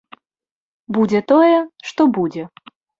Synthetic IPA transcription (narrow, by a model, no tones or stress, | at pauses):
bud͡zʲɛt̪ɔjɛʂt̪ɔbud͡zʲɛ